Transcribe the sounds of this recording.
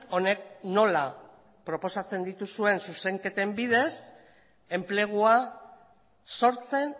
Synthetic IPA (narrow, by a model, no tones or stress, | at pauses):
o̞ne̞k̚no̞la | pɾo̞po̞sat͡se̞nd̪it̪usue̞nsuse̞ŋke̞t̪e̞mbið̞e̞s | e̞mple̞ɣ̞ua | so̞ɾt͡se̞n